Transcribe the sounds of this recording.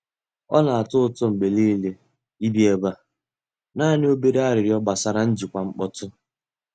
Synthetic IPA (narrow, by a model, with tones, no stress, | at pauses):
ɔ̰˦na˨a˨tʊ˦ʊ˦˨tʊ˦m̩˨ɡ͡be˨li˦le˦ | i˦bi˦e˦ba˦ | naː˦˨nɪ˦o˦be˦ɾe˦a˦ɾɪ˨ɾjɔ˦ba˨sa˦ɾa˦n̩˦d͡ʒi˨kʷa˨ŋ͡m̩˦k͡pɔ˦tʊ˦